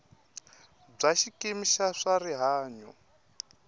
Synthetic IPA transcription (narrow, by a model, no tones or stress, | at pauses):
b͡ʐaʃikʼemiʃaʂaɾiɦaːɲɔ